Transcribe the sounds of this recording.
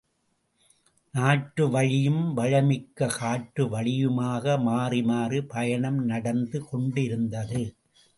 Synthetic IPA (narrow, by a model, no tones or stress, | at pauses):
naːʈɾɯʋɐɻɪjɯmʋɐɻɐmɪkːɐkaːʈːɯʋɐɻɪjɯmaːɣɐmaːrɪmaːrɯpɐjɐɳɐmnɐɽɐnd̪ɯkɔɳɖɪɾɯnd̪ɐðɯ